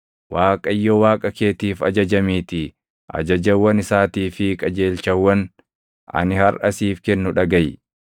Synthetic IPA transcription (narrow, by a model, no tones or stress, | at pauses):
waːkʼɐjːowaːkʼɐkeːt̪iːfɐd͡ʒɐd͡ʒɐmiːt̪ɪ | ʔɐ̰d͡ʒɐd͡ʒɐwːɐnɪsaːt̪iːfɪkʼɐd͡ʒe̞ːlt͡ʃɐwːɐn | ɐ̰nɪhɐɾʔɐsiːfkɛnːʊᶑɐɡɐj